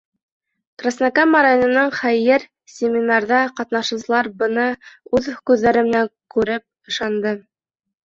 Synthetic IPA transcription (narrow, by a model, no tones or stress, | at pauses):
krasnakamːaɾajonɤ̆nɑɴχæjɘɾ | sʲɪmʲinɑrðɑqɑt̪nɑʃɤ̆wsɤ̆lˠɑɾbɤ̆nɤʉðkʉðːæɾɘ̆mɘ̆næŋkʉɾɘp̚ɤ̆ʃɑnd̪ɤ